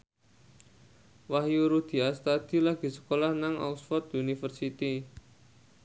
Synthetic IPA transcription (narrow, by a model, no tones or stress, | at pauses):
waɦijuɾud̪̥i̤ast̪ad̪̥i̤laɡ̥i̤sə̥kolahnaŋa̰uksfɔt̪unifərsit̪i